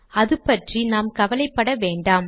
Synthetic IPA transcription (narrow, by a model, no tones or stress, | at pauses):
ɐðɯpːɐʈrinaːmkɐʋɐlɐɪpːɐɽɐʋeːɳɖaːm